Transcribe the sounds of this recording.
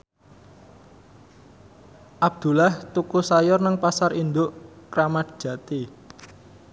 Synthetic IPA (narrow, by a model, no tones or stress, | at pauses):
ʔab̚d̪̥ṳlaht̪ukusajɔrnəŋpasarind̪ʊʔkɾamat̪̚ʒ̥ä̤t̪i